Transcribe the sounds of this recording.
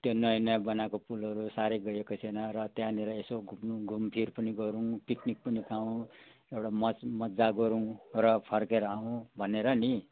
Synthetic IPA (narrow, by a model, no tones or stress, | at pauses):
t̪jonʌjnʌjbʌnakopulʌɾusaɾeɡʌjekot͡sʰenʌɾʌt̪jãniɾʌesoɡʱumnuɡʱumpʰiɾpʌniɡʌɾũpiknik̚pʌnikʰaũ | ewɽamʌmʌd͡zaɡʌɾũrʌpʰʌrkeɾʌaũbʱʌneɾʌni